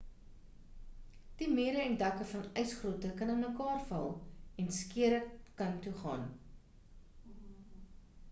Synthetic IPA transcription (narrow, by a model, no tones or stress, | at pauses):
d̥imiːɾəɛndɐkəfɐnœjsχruətəkɐnənməkɑːrfɐ̰lˠɛnskiəɾəkɐntuχɑ̰ːn